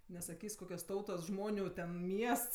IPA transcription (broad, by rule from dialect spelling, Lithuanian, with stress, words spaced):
nʲɛsɐˈkʲiːsʲ ˈkoːkʲoːs ˈtɐʊtoːs ˈʒmoːnʲʊ tʲɛn ˈmʲiɛsts